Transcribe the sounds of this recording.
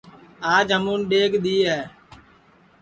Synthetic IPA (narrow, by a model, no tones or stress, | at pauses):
aːd͡ʒɦəmuːnɗeːɡɗ̪iːɦɛː